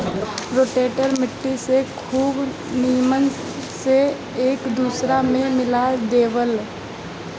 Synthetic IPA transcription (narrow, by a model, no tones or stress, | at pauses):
ɾoːʈeːʈəɾmɪʈːisekʰuːb | nijəmən | se | eːkd̪uːsɾamẽmɪlad̪eːʋəl